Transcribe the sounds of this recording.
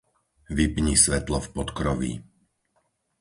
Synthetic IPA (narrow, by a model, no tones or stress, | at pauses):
ʋipɲisʋɛt̪lɔfpɔt̪kɾɔʋḭ